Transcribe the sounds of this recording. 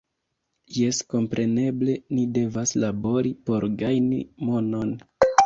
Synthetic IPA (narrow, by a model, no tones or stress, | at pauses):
je̞sko̞mpɾʔe̞ne̞ble̞nide̞vaslabo̞ɾipo̞ɾɡajnḭmo̞no̞n